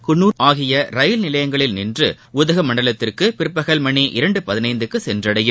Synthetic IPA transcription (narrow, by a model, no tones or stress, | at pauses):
kʊnːuːaːɣɪjɐɾɐjɪlnɪlɐjɐŋɡɐɭɪlnɪndrɯ | ʊðɐɣɐmɐɳːɖɐlɐt̪ːɪrkɯpɪɾɯpːɐɣɐlmɐɳiʔɪɾɐɳɖɯpɐðɪnɐɪnd̪ɯkːɯsɛndrɐɽɐjɯm